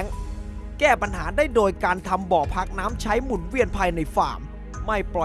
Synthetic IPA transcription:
ŋkɛː˥˩pa˧nhaː˩˦daː˥˩jdoː˧jkaː˧nt̪ʰa˧mbɔː˨˩pʰa˦˥k̚naː˦˥mt͡ɕʰa˦˥jmu˨˩nwi˥˩ənpʰaː˧jna˧jfa̰ː˨˩mː | a˥˩jplɔ˨˩

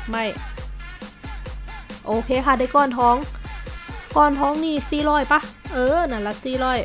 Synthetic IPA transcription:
ma˧˩j | ʔoː˧˩kʰeː˧˥˨kʰa˧˩da˧˩jkɔː˧˩˨nt̪ʰɔː˧˦ŋ | kɔː˧˩˨nt̪ʰɔː˧˦ŋniː˧˩siː˧˩lɔː˧˩˨jpa˧˥ʔɤː˧˩˨na˧˩la˧˩siː˧˥˩lɔː˧˥˩j

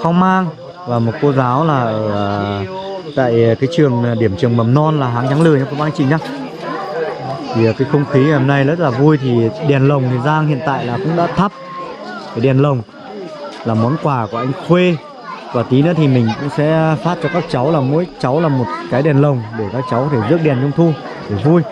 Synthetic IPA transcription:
xa˧wŋ͡mmaː˧ŋ | vaː˨˩mo˨˩t̚ko˧zaː˨˦wlaː˨˩ʔə˧˩˨ | t̪a̰ː˧˨jkaː˨˦jt͡ɕɨ˨˩əŋ˨ɗi˧˩əmt͡ɕɨ˨˩əŋmə˨˩mnɔ˧nlaː˨˩ɦaː˨˦ŋɲa˨˦ŋlɨ̰˨əɲa˧˩ko˧˦wɓaː˧ŋt͡ɕḭ˧˨˩ɲaː˦˥ | t̪ʰi˨˩˨kaː˨˦jxə˧wŋ͡mxi˨˦ɲa˨ho˧mna˧jzə˦˥t̚laː˨˩vu˧jt̪ʰi˨˩ɗɛ˨˩nlə˨˩wŋ͡mt̪ʰi˨˩zaː˧ŋhḭ˧˨ənt̪a̰ː˧˨jlaː˨˩kʊ̰˧˥ŋ͡mɗa̰ː˧˥t̪ʰə˦˥p̚e˨˩ɗɛ˨˩nlə˨˩wŋ͡m | laː˨˩mɔ˨˦nkwaː˧˩ku˧˩əʔa˧jŋ̟xwe˧ | vaː˨˩t̪i˨˦nɨ̰˧˥˦t̪ʰi˨˩mï˨˩ŋ̟kʊ̰˧˥ŋ͡msɛ̰˧˥faː˦˥t̚t͡ɕɔ˧kaː˦˥k̚t͡ɕa˨˦wlaː˨˩mo̰˧˥jt͡ɕa˨˦wlaː˨˩mo˨˩t̚kaː˨˦jɗɛ˨˩nlə˨˩wŋ͡mɗe˧˩kaː˦˥k̚t͡ɕa˨˦wkɔ˨˦t̪ʰe˧˩zɨ˦˥ək̚ɗɛ˨˩nt͡ɕə˧wŋ͡mt̪ʰu˧ | ɗe˧˩vu˧j

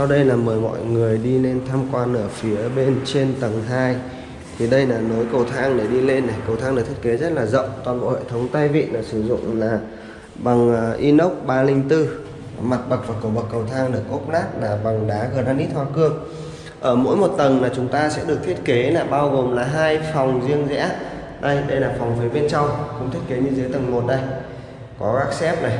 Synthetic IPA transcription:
sa˧wɗə˧jlaː˨˩məː˨˩jmɔ̰˧˨jŋɨ˨˩əjɗi˧le˧nt̪ʰaː˧mkwaː˧nʔəː˧˩fi˨˦əɓe˧nt͡ɕe˧nt̪ə˨˩ŋt̪ʰaː˧j | t̪ʰi˨˩ɗə˧jlaː˨˩no˨˦jkə˨˩wt̪ʰaː˧ŋɗe˧˩ɗi˧le˧nːa˨˩jkə˨˩wt̪ʰaː˧ŋɗɨ˨˩t̪ʰke˨˦zə˦˥t̚laː˨˩zə̰˧˨wŋ͡mt̪waː˨˩nɓo̰˧˨hḛ˧˨t̪ʰə˨˦wŋ͡mt̪ə˧jvḭ˧˨naː˨˩sɨ˧˩zʊ̰˧˨ŋ͡mlaː˨˩ | ɓa˨˩ŋ˨˩ʔi˧nə˦˥wk͡p̚ɓaː˧lï˧ŋ̟t̪ɨ˧ | ma˨˩t̚ɓə˨˩k̚vaː˨˩kə˨˧˩ɓə˨˩kːə˨˩wt̪ʰaː˧ŋɗɨ˨˩ək̚ʔo˦˥p̚naː˦˥t̚laː˨˩ɓa˨˩ŋɗaː˨˦ɣə˧˨˩t̚nhaː˧nʔi˦˥t̚hʰwaː˧kɨ˦˥əŋ̚ | ʔəː˧˩mo̰˧˥jmo˨˩t̚t̪ə˨˩nlaː˨˩t͡ɕʊ˨˦ŋ͡mt̪aː˧sɛ̰˧˥ɗɨ˨˩ək̚t̪ʰi˦˥ə˥t̚ke˨˦laː˨˩ɓaː˧wɣo˨˩mlaː˨˩ɦaː˧jfɔ˨˩wŋ͡mzi˧əŋzɛ̰˧˥ | ɗə˧jɗə˧jlaː˨˩fa˨˩wŋ͡mfi˨˦ɓe˧nt͡ɕa˧wŋ͡mxʊ̰˧˥ŋ͡mt̪ʰi˦˥ət̚ke˨˦ɲɨ˧zɨ˨˦jt̪ə˨˩ŋmo˨˩t̚ɗə˧j | kɔ˨˦ɣaː˦˥k̚sɛ˦˥p̚na˨˩j

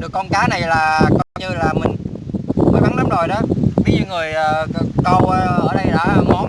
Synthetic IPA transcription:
ɗɨ˨˩əkːɔ˧nkaː˨˦na˨˩jlaː˨˩kə˧wɲɨ˧laː˨˩mï˨˩ŋ̟vəː˨˩jɓa˨˦ŋla˨˦mzo˨˩jɗɔ˨˦ɓi˧zə˧wŋɨ˨˩əjʔəː˨˩˧kə˧˩wʔəː˧ʔəː˧˩˦ɗə˧˩jlaː˨˩mɔ˨˩˦n

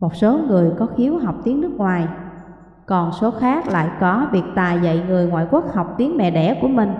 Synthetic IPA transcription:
mo˨˩t̚so˨˦ŋɨ˨˩əjkɔ˨˦xi˨˦əwɦa˨˩wk͡p̚t̪i˨˦əŋnːɨ˦˥k̚ŋwaː˨˩j | kɔ˨˩nso˨˦xaː˦˥k̚la̰ː˧˨jkɔ˨˦vi˨˩ək̚t̪aː˨˩jzə̰˧˨jŋɨ˨˩əjŋwa̰ː˧˨jku˦˥ək̚ha˨˩wk͡p̚t̪i˨˦əŋmɛ̰˧˨ɗɛ̰˧˩ku˧˩əmï˨˩ŋ̟

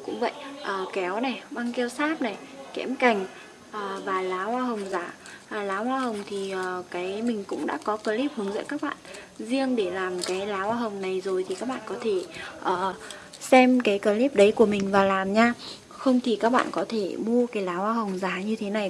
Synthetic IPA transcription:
kʊ̰˧˥ŋ͡mvə̰˧˨jʔʔəː˨˩kɛ˨˦wna˨˩jɓa˧ŋke˧wsaː˦˥p̚na˨˩jkɛ̰˧˥mka˨˩jŋ̟ | ʔəː˨˩vaː˨˩laː˨˦haː˧ɦə˨˩wŋ͡mzaː˨˦˨laː˨˦hwaː˧ɦə˨˩wŋ͡mt̪ʰi˨˩ʔəː˨˩kaː˨˦jmï˨˩ŋ̟kʊ̰˧˥ŋ͡mɗa̰ː˧˥kɔ˨˦kəː˧li˦˥p̚hɨ˨˦əŋzə̰˧˥kaː˦˥k̚ɓa̰ː˧˨n | zi˧əŋɗe˧˩laː˨˩mkaː˨˦jlaː˨˦waː˧ɦə˨˩wŋ͡mna˨˩jzo˨˩jt̪ʰi˨˩kaː˦˥k̚ɓa̰ː˧˨kɔ˨˦t̪ʰe˧˩ʔəː˨˩ | sɛ˧mkaː˨˦jkəː˧˩li˦˥p̚ɗə˨˦jku˧˩əmï˨˩ŋ̟vaː˨˩laː˨˩mɲaː˧ | xə˧wŋ͡mt̪ʰi˨˩kaː˦˥k̚ɓa̰ː˧˨nkɔ˨˦t̪ʰe˧˩mu˧əkaː˨˦jlaː˨˦waː˧ɦə˨˩wŋ͡mzaː˨˦ɲɨ˧t̪ʰe˨˦na˨˩j

